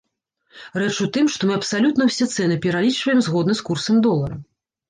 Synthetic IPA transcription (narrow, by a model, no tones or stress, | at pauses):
rɛt͡ʂut̪ɨmʂt̪ɔmɨɐpsalʲut̪nɐwsʲɛt̪sɛnɨpʲɛɾalʲit͡ʂvɐjɛmzɣɔd̪nɐskursɐmd̪ɔlˠɐɾɐ